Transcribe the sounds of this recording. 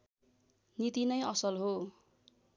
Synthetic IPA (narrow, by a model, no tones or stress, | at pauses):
nit̪inʌjʌsʌlɦo